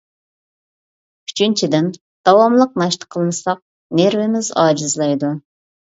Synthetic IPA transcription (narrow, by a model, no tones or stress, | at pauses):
y̥t͡ʃʰynt͡ʃʰid̪ɪn | d̪̥ɑwɑmlˠəq̚nɑʃt̪ʰə̥qʰəlˠɨnɨsɑq̚ | neɾvɪmɪzɑːd͡ʒɨzlˠɑjd̪u